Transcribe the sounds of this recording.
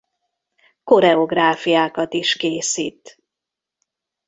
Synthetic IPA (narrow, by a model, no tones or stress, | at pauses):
ko̞ɾɛo̞ɡraːfijaːkɒt̪iʃkeːsḭːt̪